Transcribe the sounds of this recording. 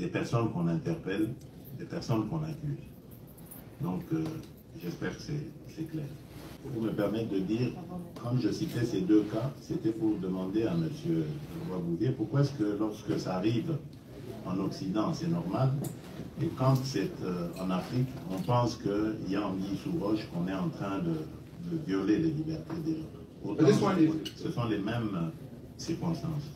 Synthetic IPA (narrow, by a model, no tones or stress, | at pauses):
d̪epɛʁsɔnkɔ̃nɛ̃t̪ɛʁpɛl | d̪epɛʁsɔnkɔ̃nakʲyz | d̪ɔ̃kø | ʒɛspɛʁkə̥sɛsɛklɛːʁ | uvuməpɛʁmɛt̪̚d̪əd̪iːʁkɑ̃ʒəsit̪ɛsed̪økaset̪ɛpuʁd̪əmɑ̃d̪eaməsjøvwabuvjepuʁkwaɛskəlɔʁskəsaːʁiv | ɑ̃nɔksid̪ɑ̃sɛnɔʁmal | ekɑ̃t̪sɛt̪ʰɑ̰̃nafχikɔ̃pɑ̃skəiljãisuʁɔʃkɔ̃nɛɑ̃t̪χɛ̃d̪ə | d̪əvjɔlelelibɛʁt̪ed̪eʒa | ot̪ɑ̃səsɔ̃lemɛm | siʁkɔ̃st̪ɑ̃s